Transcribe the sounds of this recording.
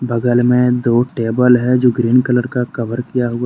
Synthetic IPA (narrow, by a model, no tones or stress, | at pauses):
bɐɡəlmẽd̪oːʈeːbəlɦɛd͡ʒoːɡɾiːnkələɾkakɐʋəɾkijaɦʊa